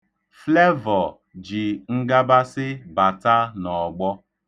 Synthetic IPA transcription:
fle˦vɔ˨ | d͡ʒi˨ŋ̩˦ɡa˦ba˦sɪ˦ba˨ta˦nɔ˨ɡ͡bɔ˦

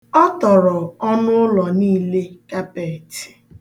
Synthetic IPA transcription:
ɔ˦tɔ˨ɾɔ˨ɔ˦nʊ˦lɔ˨niː˦˨le˦ka˦pe˨ti̥˨

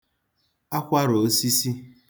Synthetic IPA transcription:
a˦kʷa˦ɾo˨˦si˦si˦

